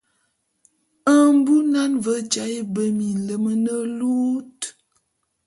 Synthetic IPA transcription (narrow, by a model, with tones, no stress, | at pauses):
ə˨m˦bu˦na˦nvə˦t͡ʃa˨˦i˦bə˦mi˨lə˨˦mə˦nə˦lu˦t